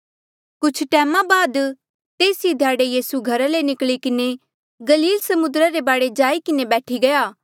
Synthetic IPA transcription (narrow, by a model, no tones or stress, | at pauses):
kʊt͡ʃʰʈɛːmãbaːd̪ | t̪eːsid̪ʱjaːɽejiːsuɡʱɐɾalenɪkɭikɪne | ɡɐliːlsɐmʊd̪ɾaɾebaːɽed͡ʒaːikɪnebɛːʈʰiɡɐjaː